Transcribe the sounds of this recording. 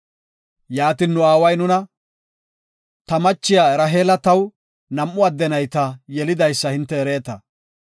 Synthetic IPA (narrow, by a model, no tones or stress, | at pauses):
jaːt̪inːʊaːwɐjnʊnɐ | t̪ɐmɐt͡ʃːɪjaːɛɾɐɦe̞ːlɐt̪ɐw | nɐmʔːʊɐd̪ːɛnɐjt̪ɐjɛlɪd̪ɐjsːɐhɪnt̪ːɛːɾe̞ːt̪ɐ